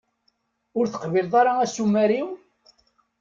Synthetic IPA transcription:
ʊɾθə̥qvilðˤɑɾɑæsumːæɾiw

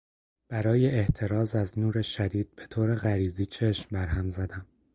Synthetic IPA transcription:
b̥æɾɒːje̞ːht̪ʰe̞ɾɒːzæznuːɾeʃæd̪iːd̪̥̚b̥e̞t̪ʰoːɾe̞ɣæɾiːziːt͡ʃʰe̞ʃmbæɾɦæmzæd̪æm

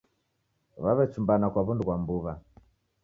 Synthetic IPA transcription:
βaβɛt͡ʃumbanakwaβunduɣwambuβa

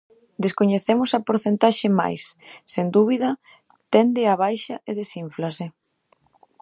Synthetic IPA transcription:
d̪eskoɲeθemʊsɐpoɾθent̪aʃɪma̰jsːend̪uβ̞iðɐ | t̪ɛnd̪ɪaβajʃɐʔeðesiɱflasɪ

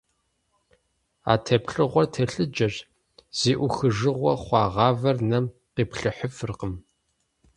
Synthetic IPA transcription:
a̰ːtʰɐpɬɨʁʷɔtʰɐɬɨd͡ʒɐɕ | z̥iːʔʷʊxɨʒɨʁʷɔχʷɑːʁɑːvɐrnɐm | qiːpɬɨħəfɨrqəm

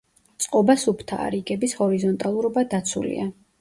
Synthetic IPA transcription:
t̪sʼqʼɔbasupʰt̪ʰa̰ːɾiɡɛbishɔɾizɔnt̪ʼalˠuɾɔbad̪at̪sʰṵlḭa

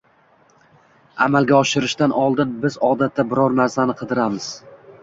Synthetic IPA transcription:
a̰malˠɡʲaɒʃɪɾɪʃt̪anʔɒlˠd̪ɪnbɪzɒd̪at̪ʰːabɪɾɒɾmaɾzanɪqʰɨd̪ɪɾamɪz̥

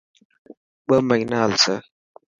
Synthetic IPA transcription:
ɓəmaɲnalsə

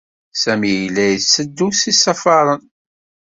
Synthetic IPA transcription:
sæmijlːæjəsəd̪ːusisɑfɑɾˤən

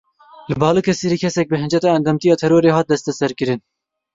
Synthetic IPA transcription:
lɨbɑːlɨːkʰɛseːɾiːkʰɛsɛk̚bɨɦɨnd͡ʒɛt̪ɑːɛnd̪ɛmt̪ijɑːt̪ʰɛɾoːɾeːɦɑːt̪̚d̪ɛst̪ɛsɛɾkɨɾɨn

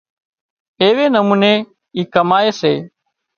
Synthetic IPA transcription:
eːʋeːnəmuːneː | iːkəmaːeːseː

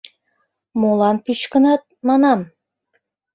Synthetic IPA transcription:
molɑnpyt͡ɕkə̆nɑt̪̚mɑnɑm

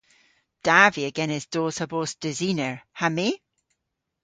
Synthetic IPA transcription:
d̥aviəɡɛnɪzd̥oːsəboːsd̥əzinəɹhame

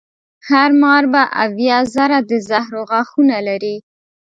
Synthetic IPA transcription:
haɾmɑɾbaʔa̰vjɑzaɾad̪əzahɾoɣɑxunalaɾi

